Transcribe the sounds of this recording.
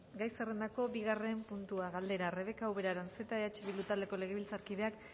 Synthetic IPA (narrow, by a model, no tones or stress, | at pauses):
ɡajsere̞nd̪ako̞biɣare̞mpunt̪uaɣald̪e̞ɾare̞βe̞kawβe̞ɾaɾanse̞t̪aeat͡ʃeβilut̪ald̪e̞ko̞le̞ɣ̞eβilt͡saɾkiðe̞ak